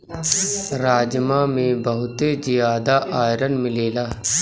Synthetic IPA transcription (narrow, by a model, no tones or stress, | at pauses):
ɾaːd͡ʒmãːmẽbəɦʊt̪ezɪjaːd̪aʔaːjɾənmɪleːlaː